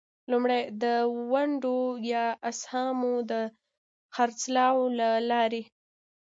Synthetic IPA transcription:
lumɽajd̪əwaɳɖojɑashɑmod̪ə | xaɾt͡slɑwlalɑɾe

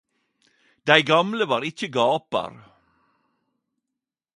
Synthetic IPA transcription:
d̪æɪɡɑmləʋɑːɾɪçəɡɑːpə̰ɾ

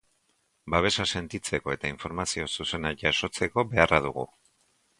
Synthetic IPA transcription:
baβ̞e̞sase̞nt̪it͡se̞ko̞e̞t̪aiɱfo̞ɾmasio̞suse̞naʝaso̞t͡se̞ko̞βe̞araðuɣṵ

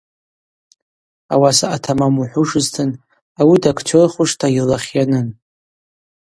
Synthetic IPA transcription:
a̰wasaʔatʰamamuħʷʊʂɨztʰɨn | awidakʰt͡ʃʰorχʷʊʂtʰailaχʲjanɨn

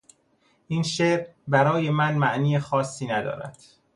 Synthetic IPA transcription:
ʔiːnʃeːɾbæɾɒːje̞mænmæʔniːjexɒːsːiːnæd̪ɒ̰ːɾæ̰d̪̥

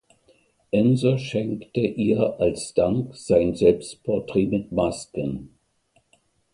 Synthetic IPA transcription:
ʔɛnzɐʃɛŋktəʔiːɐʔalsd̥aŋkz̥aɪnzɛlpstpʰɔɐtʁ̥eːmɪtmaskən

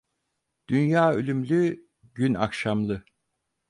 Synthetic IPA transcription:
d̪̥ynjaːølʲymlʲy | ɟyna̰kʃamlˠɯ

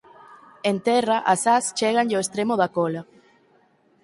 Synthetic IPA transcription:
ent̪ɛraʔasast͡ʃeɣanʎoest̪ɾemoðakola

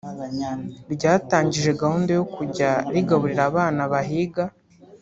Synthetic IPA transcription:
ɾɟaːtaːɲɟiʒe̞ɡahuːnde̞jokuɟaɾiɡaβuɾiɾaːβaːnaβaɦiɡa

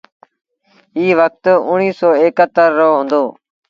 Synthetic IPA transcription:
iːʋək̚t̪ʊɳ̃iːsɔːeːkət̪ːəɾːoːɦõːnd̪oː

